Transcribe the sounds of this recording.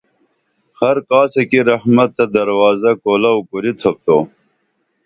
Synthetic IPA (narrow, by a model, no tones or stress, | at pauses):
hɐɾkɑːsekiɾɐhmɐt̪ːɐd̪ɐɾwɑːzɐkoːlɐwkuɾit̪ʰɐp̚t̪oː